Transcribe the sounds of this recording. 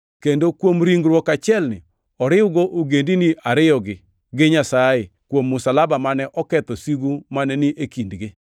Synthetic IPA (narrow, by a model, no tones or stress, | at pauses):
kendokwomɾiŋɡɾwɔkat͡ʃɪɛlnɪ | ɔɾɪwɡoʔoɡendinɪʔaɾɪjɔɡɪ | ɡɪɲasaje | kwomːʊsalabamanɛʔɔkɛt̪ɔsiɡumanɛnɪʔekindɡɪ